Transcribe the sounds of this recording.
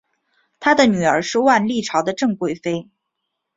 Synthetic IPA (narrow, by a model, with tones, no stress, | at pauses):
t̪ʰa˥d̪ə˨ny˨˩ə̰˞˧˥ʂɻ̩˥˧wa˥˧nli˥˩ʈ͡ʂʰɑ˧˥ʊd̪ə˧ʈ͡ʂɤ˥˧ŋkwe˥˩ɪfe˥ɪ